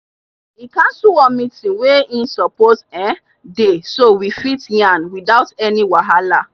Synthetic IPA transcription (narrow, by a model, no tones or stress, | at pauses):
ikãnsuwɔ̃mitĩnweĩsɔpotɛ | desowifitĩãnwidaʊtɛniwaɦala